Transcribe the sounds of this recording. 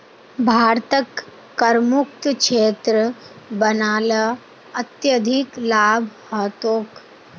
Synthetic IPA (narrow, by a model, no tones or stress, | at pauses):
bʱaːɾt̪əkː | ɐɾmuk̚t̪kʃʰeːt̪ɾə | bɐnaːlə | ɐt̪jəd̪ʱiklaːbʱhəːt̪oːk